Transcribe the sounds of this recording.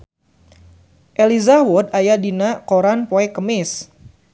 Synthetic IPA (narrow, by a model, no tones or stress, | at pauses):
ʔelizawɔd̚ajadinakoɾanpoɛkəmɪs